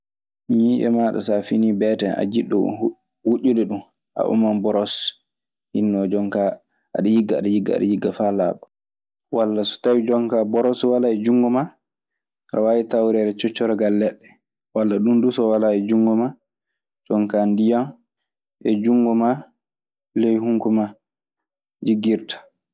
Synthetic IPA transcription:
ɲiʔɛ̰maɗɔ̰safinibɛtɛa̰d͡ʒiɗːɔ̰ | wuʔʲːiɗɛɗum | ʔa̰ʔṵmanbɔɾɔs | hinːɔd͡ʒɔŋka | a̰ɗajiɡaa̰ɗajiɡːaa̰ɗajiɡːafalaːɓɔ | walːasu̥tawid͡ʒɔŋkabɔɾɔswalaɛd͡ʒuŋɡɔma | ɾʔa̰wajitawɾɛɾɛt͡ʃɔt͡ʃːɔɾɛɡalːɛɗːɛ | walːaɗumdusɔwalaɛd͡ʒuŋɡɔma | d͡ʒɔŋkandijan | ʔɛd͡ʒuŋɡɔma | lejhuŋkuma | d͡ʒiɡːiɾtḁ

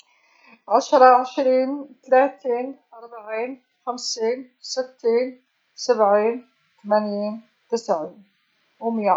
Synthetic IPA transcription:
ʕaʃɾˤɑʕəʃɾiːnt̪læt̪iːnʔɑɾˤbaʕiːn | xæmsin | sət̪ːiːn | sæbʕiːn | t̪mænjiːn | t̪əsʕi | wəmja

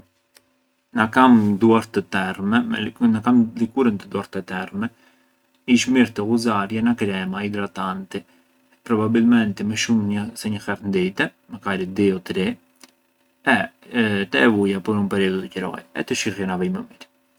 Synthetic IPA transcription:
nakamd̪uaɾt̪ət̪ɛɾmɛnakamlikuɾənt̪əd̪uaɾt̪ɛt̪ɛɾmɛ | iʃmiɾt̪əɣuzaɾjɛnakɾɛmaid̪ɾat̪ant̪i | pɾɔbabilmɛnt̪ɛməʃumɲəsɛɲəxɛɾnd̪ɛt̪ɛ | məkaɾid̪ɛɔt̪ɾɛ | ɛ | t̪ɛɛvujapɔɾunpɛɾiɔd̪d̪əcəɾɔ̰jɛ̰t̪əʃiɣjɔnaviməmiɾ

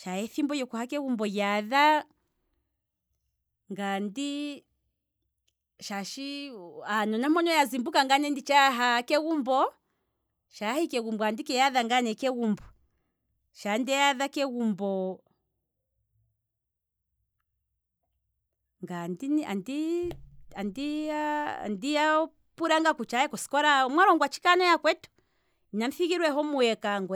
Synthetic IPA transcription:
ʃajɛθimbɔjɔkuhakɛwumbɔjaða | ŋɡandi | ʃaʃianɔnamɔnɔjazimbukaŋɡanɛndit͡ʃaɦakɛwumbɔ | ʃahikɛɣumbɔandikɛjaðaŋɡanɛkɛwumbɔ | ʃandɛjaðakɛɣumbɔ | ŋɡandina̰ndi | andia̰ndia | puɾaŋɡakut͡ʃahɛkɔsi̥kɔɾamwaɾɔŋɡwat͡ʃi̥kanɔjakwɛtu̥ | inaɱfiɣiɾwɛɦɔmuɛkaŋɡwɛ

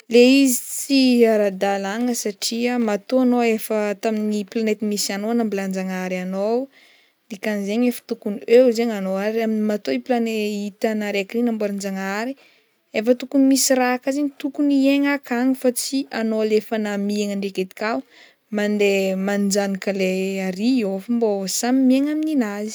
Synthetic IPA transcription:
leizit͡siaɾad̪alaŋəsaʈ͡ʂiəmat̪oanoefət̪aminiplanet̪imisanoanambiland͡ʒaŋaɾanow | d̪ikanzeɲefə̥t̪ukuniewzeɲanoaɾaminimat̪oiplaneit̪anaɾekinambwaɾand͡ʒaŋaɾi | efət̪ukunimisirakazeɲit̪ukunieŋakʰaŋifat͡sianolefanamieŋaɳɖ͡ʐeket̪i̥ka | mand̪emand͡ʒanikaleaɾiofumbosamimieŋamininazi̥

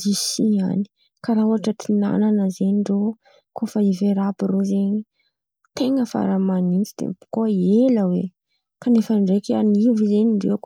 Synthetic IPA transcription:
isia̰ni̥ | kaɾauaʈ͡ʂət̪ʰina̰nanəzeɲiɳɖ͡ʐo | kʰofaiveɾapirozeɲi | t̪eŋəfa̰ɾamanint͡sid̪̥ḛbu̥koeləwḛ | kanefəɳɖ͡ʐekanivizeɲiɳɖ͡ʐek

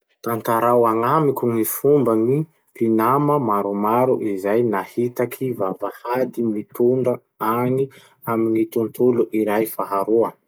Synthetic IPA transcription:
t̪ant̪aɾawaŋamikʲuŋifumbəni | pinaməmaɾumaɾuʔizajnahit̪akʰivavahad̪imit̪uɳɖ͡ʐə | ani | aminit̪unt̪uluʔiɾajfaɦaɾuə

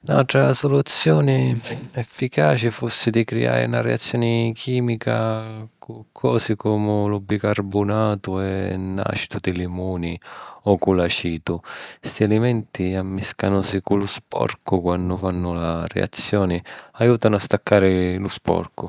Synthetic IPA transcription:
na̰lt̪ɾasɔlut̪sːjɔːnɪɛfːikaːt͡ʃɪfusːɪd̪ikɾḭa̰ːɾɪ̰unarɛ̰at̪sːjɔːnɪkʰiːmikakʊkʰːɔːsɪkɔːmʊlɔbːikarbʊnaːt̪ʊɛnːa̰ʃi̥t̪ʊd̪ɪlimuːniɔkulat͡ʃiːt̪ʊst̪ialimɛnt̪iamːiskanʊsikulʊspɔ̰rkʊkwanːʊfanːʊlarɛ̰a̰t̪sːjɔːnɪajuːt̪anʊast̪akːaːɾɪlʊspɔ̰rkʊ

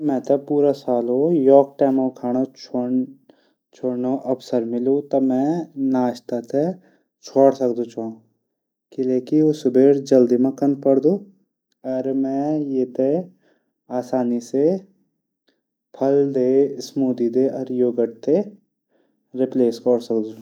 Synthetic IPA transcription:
mɛ̃t̪ɐpuːɾasaːlojɔːk̚ʈɛːmõkʰaːɽ̃ot͡ʃʰo | t͡ʃʰoːɽnoʔɐbsəɾmɪlũt̪ɐmɛ̃naːʃt̪at̪ʰe | t͡ʃʰoːɽsəkd̪ot͡ʃʰãː | kɪleːkiʊsbeːɾd͡ʒɐld̪imɐ̃kənpɐɽd̪oː | ɔːɾmɛ̃jeːt̪ʰe | aːsaːnise | pʰɐld̪eːsmuːd̪id̪eːɔːɾjoːɡəʈ̚t̪e | ɾɪpleːskɔɽsɐkd̪ũ

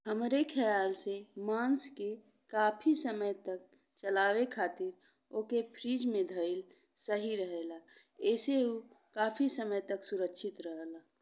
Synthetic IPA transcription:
həmɾekʰəjaːlsemanske | kaːpʰisəməjt̪ək̚ | t͡ʃəlaːwekʰaːt̪iɾ | okepʰɾid͡ʒmẽd̪ʱəɪl | səɦiɾəɦela | ɛːseu | kaːpʰisəməjt̪əksuɾəkʃʰɪt̪ɾəɦəla

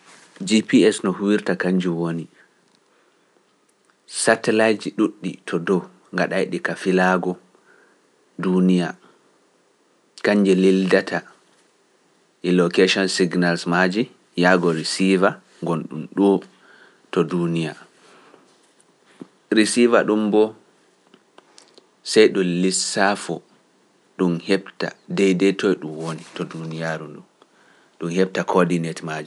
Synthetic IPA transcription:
d͡ʒipiɛsnɔhuwiɾtakaɲd͡ʒiwoni | satɛlajd͡ʒiɗuɗːḭtʰɔdɔw | ŋɡaɗajɗikafilaːɡɔ | dunija | kaɲːd͡ʒɛlildatʰa | ʔɛlɔkeʃɔnsiɡnalsmad͡ʒi | jaɡɔɾisiva | ŋɡɔnɗṵmɗɔ | tɔdunija | ɾisiva̰ɗumbɔ | sɛjɗɔlisːafɔ | ɗumhɛbta̰dɛjdɛtʰɔjɗumwonitɔdunijaɾunɗum | ɗumhɛb̚takʰɔdinɛtmad͡ʒi

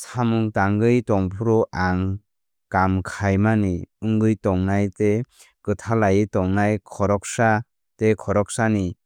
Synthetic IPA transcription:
samɯŋtaŋɡɯjtɔŋpʰuɾɔʔaŋ | kamkʰajmaniɯŋɡɯjtɔŋnajte | kɯtʰalajɯtɔŋnajkʰɔɾɔk̚sa | tekʰɔɾɔk̚sani

